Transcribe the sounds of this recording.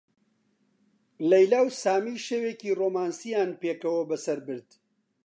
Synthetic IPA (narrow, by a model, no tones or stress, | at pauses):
lɐjlaːwsaːmiːʃeweːkiːroːmaːnsijaːnpeːkɐwɐbɐsɐɾbɨɾd̪